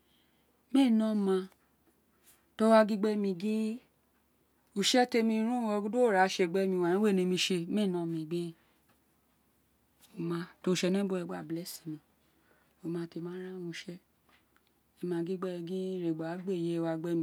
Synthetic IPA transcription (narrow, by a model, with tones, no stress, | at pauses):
me˦˨nɔ̃˦mã˧ | to˦wa˧ɡi˦ɡ͡bɛ˦mĩ˧ɡĩ˦ | u˨ʃɛ˦te˧mĩ˧ɾ̃ũ˦wɔ˧ɡu˦du˦o˦˨ɾa˨˦ʃe˧˨ɡ͡bɛ˦mĩ˧wa˨nĩ˦we˦˨nĩ˧mĩ˧ʃe˧me˦˨nɔ̃˦mĩ˧ɡ͡bi˦ | o˧mã˧to˧˨ʃɛ˧nĩ˦bo˦ɛ˧ɡ͡ba˦˨blɛ˦si˨mĩ˨ | o˨mã˧te˧˨mã˨˦ɾã˦wũ˧˦ʃɛ˦ | ɛ˧˨mã˧ɡi˦ɡ͡bɛ˦˧ɡĩ˦ɾe˨ɡ͡ba˨˦ɡ͡be˦˨je˦˧wa˧ɡ͡bɛ˦mĩ˧˨